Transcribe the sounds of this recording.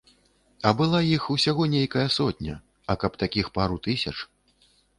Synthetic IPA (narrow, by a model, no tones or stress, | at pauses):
ɐbɨlˠajixusʲaɣɔnʲejkɐjɐsɔt̪ʲnʲɐ̰ | ɐkɐpt̪akʲixpaɾut̪ɨsʲɐt͡ʂ